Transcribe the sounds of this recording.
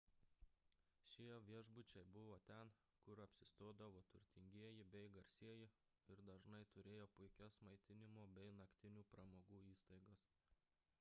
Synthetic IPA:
ʃʲiɛʋʲiɛʒbʊt͡ʃʲɛɪbʊʋoːt̪ʲɛn | kʊɾɐpʲsʲɪst̪oːd̪ɐʋoːt̪ʊɾʲt̪ʲɪŋʲɡʲiɛjɪbʲɛɪɡɐɾʲsʲiɛjɪ | ɪɾd̪ɐʒnɐɪt̪ʊɾʲeːjoːpʊɪkʲɛsmɐɪt̪ʲɪnʲɪmoːbʲɛɪnɐkt̪ʲɪnʲuːpɾɐmoːɡuːiːst̪ɐɪɡɐs

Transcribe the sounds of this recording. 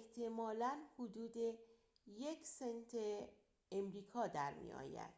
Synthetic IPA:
eht̪ʰemɒːlænhod̪uːd̪e | jekʰsent̪ʰeː | mɾiːkʰɒːd̪æɾmḭɒ̰ːjæ̰d̪̥

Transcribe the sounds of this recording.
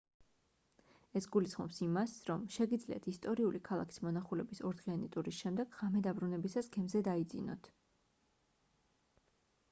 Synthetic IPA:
ɛsɡulisχmɔ̰psimasɾɔmʃɛɡid̪zlḭa̰t̪ʰist̪ʼɔɾiulikʰalˠakʰi̥smɔnaχulɛbisɔɾd̪ʁianit̪ʼuɾisʃɛmd̪ɛɡ̥ʁamɛd̪abɾunɛbisasɡɛmzɛd̪aid̪zḭnɔ̰t̪ʰ

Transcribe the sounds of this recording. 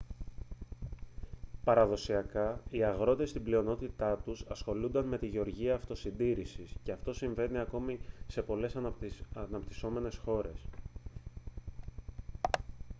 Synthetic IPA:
pɐɾɐðo̞siɐkɐiɐɣɾo̞t̪e̞st̪iblio̞no̞t̪it̪ɐt̪usɐsxo̞lund̪ɐnme̞t̪iʝe̞o̞ɾʝiɐːft̪o̞sind̪iɾisisce̞ɐft̪o̞siɱve̞niɐko̞mise̞po̞le̞sɐnɐpt̪iso̞me̞ne̞sxo̞ɾe̞s

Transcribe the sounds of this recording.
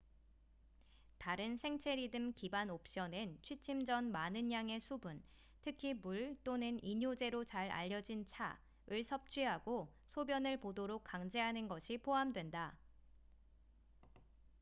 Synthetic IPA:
taɾɯnsʰe̞ŋt͡ɕʰe̞ɾidɯmkibanop̚ɕ͈ʌnɯnt͡ɕʰwit͡ɕʰimd͡ʑʌnmanɯɲjaŋe̞sʰubun | tʰɯkʰimuɭt͈onɯniɲod͡ʑe̞ɾot͡ɕaɾa̰ʎːʌd͡ʑint͡ɕʰa̰ | ɯɭsʰʌp̚t͡ɕʰɥiɦaɡosʰobjʌnɯɭpodoɾok̚k͈aŋd͡ʑe̞ɦanɯnɡʌɕʰipʰoɦamdwenda

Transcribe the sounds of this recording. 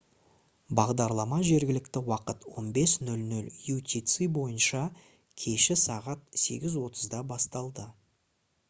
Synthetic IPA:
bɑʁd̪ɑɾlˠɑmɑʒe̞ɾɡʲɪlɪkt̪ɪwɑqət̪wo̞nbe̞snɵlnɵljut̪ʲit̪sɨbo̞jənʃɑ | kʲʰe̞ʃɪsɑʁɑt̪̚se̞ɡʲɪzwo̞t̪ʰəzd̪ɑbɑst̪ɑlˠd̪ə

